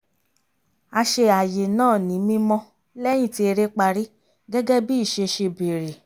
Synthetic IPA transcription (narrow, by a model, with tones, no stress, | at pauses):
a˧ʃe˧a˨je˨nãː˦˨nĩ˨˦mĩ˦mɔ̃˧ | lɛ˦j̃ĩ˦˨ti˧e˧ɾe˦k͡pa˧ɾi˦ | ɡɛ˦ɡɛ˦bi˦i˦˨ʃe˧ʃe˧be˨ɾe˨